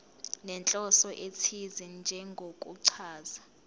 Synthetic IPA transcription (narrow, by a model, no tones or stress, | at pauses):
nɛnt͡ɬʼɔsɔʔetʰizind͡ʒʱɛŋɡʱokʼuǀʰaːza